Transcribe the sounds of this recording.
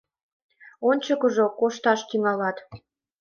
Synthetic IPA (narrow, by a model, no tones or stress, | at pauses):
onʲt͡ɕəkəʒokoʃt̪ɑʃt̪yŋɑlɑt̪